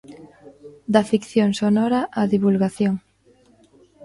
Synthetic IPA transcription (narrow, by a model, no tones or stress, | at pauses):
d̪afikθjoŋsonɔɾaʔaðiβulɣaθjoŋ